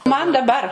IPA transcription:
mɐn dɐˈbɐr

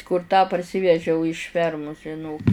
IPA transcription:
kʊr tɑː pɐrʲˈsʲiːʋʲɛʒʲɛʊ ɪʃ ˈfʲɛrmʊs ʒʲɪˈnoːk

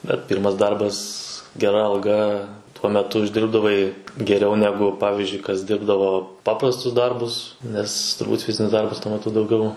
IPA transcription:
bʲɛt ˈpʲiːrmɐs ˈdɐrbɐs ɡʲɛˈrɐ ɐlˠˈɡɐ tuɔ mʲɛˈtʊ ʊʒʲˈdʲɪrbdɐʋɐɪ ɡʲɛˈrʲɛʊ ˈnʲæːɡʊ ˈpɑːʋʲɪzʲd͡ʒʲʊɪ kɐs ˈdʲɪrbdɐʋoː ˈpɑːprɐstʊs ˈdɐrbʊs ˈnʲɛs tʊrˈbuːt ˈfʲɪzʲɪnʲɪs ˈdɐrbɐs tuɔ mʲɛˈtʊ dɐʊˈɡʲɛʊ

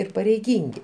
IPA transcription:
ɪr pɐrʲɛɪˈɡʲiːŋʲɡʲɪ

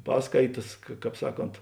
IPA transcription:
ˈpɑːskɐɪtɐs kɐ ˈkɑːp ˈsɑːˌkoːnt

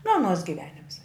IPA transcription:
nʊ ɐˈnuɔs ɡʲɪˈʋʲæːnʲɪms

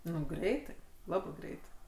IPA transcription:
ˈnʊ ˈɡrʲɛɪtɐɪ ˈlˠɑːbɜ ˈɡrʲɛɪtɐɪ

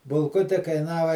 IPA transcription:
bʊlˠˈkʊtʲɪ kɐɪˈnɑːʋɐ

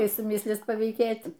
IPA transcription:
ˈkɐɪ sʊˈmʲɪsʲlʲiːs pɐʋʲiːˈkʲeːtʲ

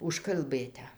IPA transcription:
ʊʃkɐlˠˈbɘtʲɛ

